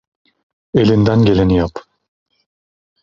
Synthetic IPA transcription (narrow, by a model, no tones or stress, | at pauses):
e̞lʲind̪ænɟe̞lʲenijap